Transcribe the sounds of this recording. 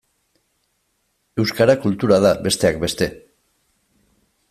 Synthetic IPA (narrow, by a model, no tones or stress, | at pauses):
e̞wskaɾakult̪uɾað̞aβe̞st̪e̞akbe̞st̪e̞